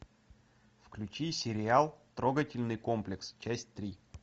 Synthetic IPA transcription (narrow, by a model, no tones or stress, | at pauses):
fklʲʉt͡ɕisʲɪɾʲɪalˠt̪ɾo̞ɡətʲɪlʲnɨjko̞mplʲɪkst͡ɕæsʲtʲt̪ɾʲi